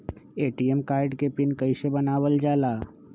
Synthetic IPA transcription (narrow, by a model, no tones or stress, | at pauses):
eːʈiemkaːɾɖkepɪnkɐɪsebɐnaːʋəld͡ʒaːlaː